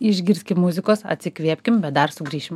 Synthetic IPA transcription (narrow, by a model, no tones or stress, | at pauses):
ɪʒʲɡʲɪɾʲsʲkʲɪmʊzʲɪkoːsɐ̰t̪ʲsʲɪkʋʲiɛpʲkʲɪmbʲɛd̪ɐɾsʊɡɾʲiːʃʲɪm